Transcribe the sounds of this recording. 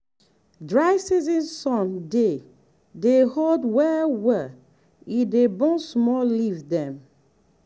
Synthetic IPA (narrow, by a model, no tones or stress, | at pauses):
dɹajsizĩnsɔ̃nde | deholdwɛwɛ | idebɔ̃nsmɔlivdɛ̃m